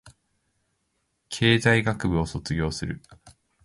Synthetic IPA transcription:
kʰe̞ːzaiɡakɯ̟bɯ̟o̞so̞t͡sɨɡʲo̞ːsɨɾɯ̟

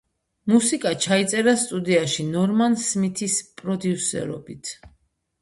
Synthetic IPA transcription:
musikʼat͡ʃʰait̪sʼɛɾast̪ʼud̪iaʃinɔɾmansmit̪ʰispʼɾɔd̪iusɛ̰ɾɔ̰bit̪ʰ

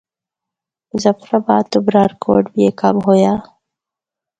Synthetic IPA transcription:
zɐfɾabaːt̪ubɾaɾko̰ːɖbijeka̰mɦojaː

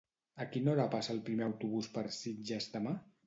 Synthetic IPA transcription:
əkinoɾapasəːlˠpɾimeəwt̪uβuspəɾsid͡ʒɛzd̪əma

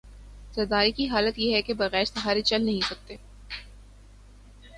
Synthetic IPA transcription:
sɐɾd̪aːɾikiɦaːlət̪jeɦɛkebɐɣɛːɾsɐɦaːɾet͡ʃɐlnɐɦĩsɐk̚t̪eː

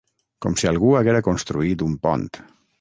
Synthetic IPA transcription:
kɔmsialˠɣuaɣeɾakonst̪ɾuit̪umpɔ̰nt̪

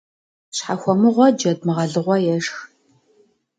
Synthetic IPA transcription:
ɕħaxʷɔmɨʁʷɔd͡ʒɐd̚mɨʁɐɮɨʁʷɔjɛʂx

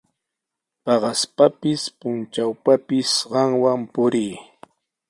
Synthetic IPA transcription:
pɑɢɑspapɪspʊnt͡ʃawpapɪsɢɑŋwampʊɾij

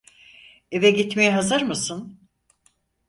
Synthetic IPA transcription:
e̞vɛɟit̪mejɛɦazɯɾmɯsɯn

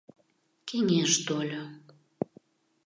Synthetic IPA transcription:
keŋeʃt̪olʲo

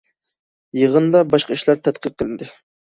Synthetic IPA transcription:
jəʁənd̪ɑbɑʃqɑiʃlˠɑɾt̪ʰɛt̪̚qəq̚ʰːəlɪnd̪ɪ

